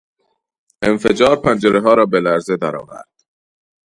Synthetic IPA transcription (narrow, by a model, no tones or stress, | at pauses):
ʔenfed͡ʒɒːɾpʰænd͡ʒeɾʔeɦɒːɾɒːbelæɾze̞d̪æɾɒ̰ːvæ̰ɾd̪̥